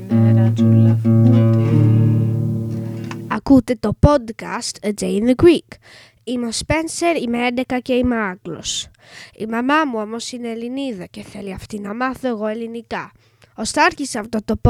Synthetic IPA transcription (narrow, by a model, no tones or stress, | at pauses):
eɾɐt̪ulɐut̪e | ɐkut̪e̞t̪o̞po̞d̪kɐst̪d͡ʒejnɡwik | imespe̞nse̞ɾimeend̪e̞kɐce̞imeɐklo̞s | ḭmɐmɐmuo̞mo̞sineːliniðɐce̞θe̞liɐft̪inɐmɐθo̞e̞ɣo̞e̞linikɐ | ost̪ɐɐɾçiseɐft̪o̞t̪o̞p